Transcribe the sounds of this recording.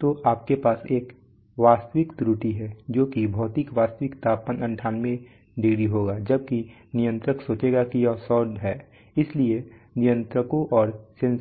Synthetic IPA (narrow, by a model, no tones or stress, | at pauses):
t̪oːʔaːp̚kepaːseːk | ʋaːst̪əʋɪkt̪ɾuʈiɦɛd͡ʒoːkibʱɔːt̪ɪkʋaːst̪əʋɪkt̪aːpənɐ̃ɳʈʰaːnmẽ | ɖeːɽiɦoːɡaːd͡ʒɐb̚ki | nɪjə̃nt̪ɾəksoːt͡ʃeːɡakijɔːsɔːɖ̪ɦɛː | ɪslie | nɪjə̃nt̪ɾəkõʔɔːɾsẽn